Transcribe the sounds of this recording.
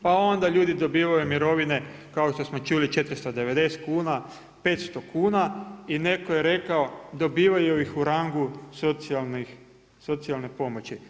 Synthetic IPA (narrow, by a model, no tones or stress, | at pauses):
pao̞nd̪aʎuːd̪id̪o̞biːʋajumiɾo̞ʋine̞ | kao̞ʃt̪o̞smo̞t͡ʃulit͡ʃe̞t̪ɾst̪od̪e̞ʋe̞d̪e̞st̪kuːna | pe̞t̪st̪o̞kuːnaine̞ko̞jeɾe̞kaod̪o̞biːʋajujixuɾaŋɡusot̪sialni | so̞t̪sialnepo̞mo̞t͡ɕi